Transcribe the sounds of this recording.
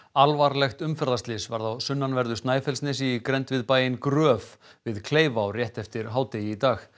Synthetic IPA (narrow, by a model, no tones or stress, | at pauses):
alvaɾlɛxt̪ʏmfɛɾðast̪lɪsvaɾðawsʏnːanvɛɾðʏst̪naːjfɛlsnɛsikɾɛnt̪vɪðpaːjɪnkɾœːf | vɪðkʰleːjvawrjɛht̪ɛft̪ɪɾɦaːwt̪ejɪit̪aːx